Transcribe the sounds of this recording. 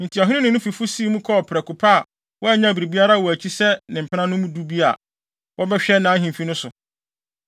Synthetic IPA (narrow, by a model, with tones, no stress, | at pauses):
n̩˨tʰi˨ɔ˨ɦɪ̃˦ɪ̃˦nʊ̃˦nʊ̃˦fi˨fʊ˦siː˦mũ˦kʰɔ˦ɔ˨pʰɪ˨ɾɛ˨kʰʊ˨pʰa˦˨ | wɔ˦ɛ˨ɲã˦˨bi˨ɾi˨bi˦a˦ɾa˦˨wɔ˨æ˨t͡ɕʰi˦sɛ˦nɪ̃˨m̩˨pʰɪ˦nã˦nʊ̃˦mũ˦du˦bi˦a̰˨ | wʔɔ˦bɛ˦ɕᶣɛ˦nã˨˦ɦĩ˨mfi˦nʊ̃˦sʊ˨